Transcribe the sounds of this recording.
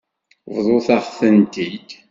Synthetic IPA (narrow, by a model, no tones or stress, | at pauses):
vðˤoθæʁθənt̪id̪